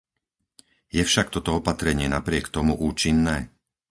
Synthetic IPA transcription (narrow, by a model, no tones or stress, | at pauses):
jɛfʃak̚t̪ɔt̪ɔɔpat̪ɾɛɲɪɛnapɾɪɛkt̪ɔmuʔuːt͡ʃinːɛː